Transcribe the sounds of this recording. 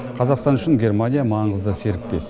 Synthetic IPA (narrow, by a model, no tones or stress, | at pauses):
qʰɑzɑqst̪ɑnʏʃɪŋɡʲe̞rmanʲijamɑɴəzd̪əse̞ɾɪk̚t̪e̞s